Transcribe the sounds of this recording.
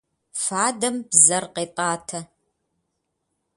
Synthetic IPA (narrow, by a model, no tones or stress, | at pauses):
faːdɐmbzɐrqeːtʼɑːtʰɐ